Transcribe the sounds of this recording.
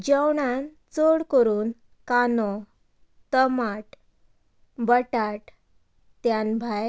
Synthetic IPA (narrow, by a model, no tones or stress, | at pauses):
d͡ʑəwɳan | t͡soɽkəɾuːn | kanɔ | t̪əmaʈ | bəʈaʈ | t̪janbʱaj